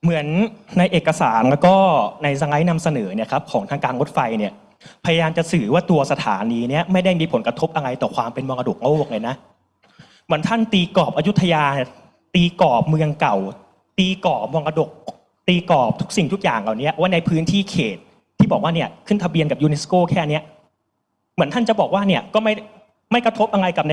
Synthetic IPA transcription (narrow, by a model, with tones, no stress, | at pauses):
mɯ˩˦ənːa˧jʔeː˨˩kːa˧saː˩˦nla˦˥kɔː˥˩na˧jsa˧ŋa˦˥jna˧msa˧nɤː˩˦ni˥˩ɐkʰa˦˥p̚kʰɔː˩˦ŋt̪ʰa˧ŋkaː˧nɾo˦˥t̪̚fa˧jni˥˩ɐ | pʰa˧ja˧jaː˧mt͡ɕa˨˩sɯː˨˩waː˥˩t̪u˧ɐsa˧t̪ʰa̰ː˩˦niː˧ni˦˥ɐma˥˩jda˥˩jmiː˧pʰo˩˦nkɾa˧t̪ʰo˦˥p̚ʔa˧ŋa˧jt̪ɔː˨˩kʰwaː˧mpe˧nmɔ˧ŋʔa˧do̰˨˩k̚ŋa˦wu˥˩k̚lɤː˧jna˦˥ʔ | mɯ˩˦nt̪ʰa˥˩nt̪iː˧kɔː˨˩p̚ʔaː˧ju˦˥t̪ʰːa˧jaː˧ | t̪iː˧kɔː˨˩p̚mɯ˧əŋka˨˩w | t̪iː˧kɔː˨˩p̚mɔ˧ŋʔa˧do˨˩k̚ | t̪iː˧kɔː˨˩p̚t̪ʰu˦˥k̚si˨˩ŋt̪u˦˥k̚ja̰ː˨˩ŋʔa˨˩ni˦˥ɐwaː˦˥˩na˧jpʰɯː˦˥nt̪ʰiː˥˩kʰeː˨˩t̪̚ʰː | iː˥˩bɔː˨˩k̚waː˥˩ni˥˩ɐkʰɯ˥˩nt̪ʰa˧bi˧nka˨˩juː˧ne˦˥skoː˥˩kʰɛː˥˩ni˦˥ɐ | mɯ˩˦ənt̪ʰa˥˩nt͡ɕa˨˩bɔː˨˩k̚waː˥˩ni˥˩ɐkɔː˥˩ma˥˩ | ma˥˩jkɾa˧t̪ʰo˦˥p̚ʔa˧ŋa˧jka˨˩na˧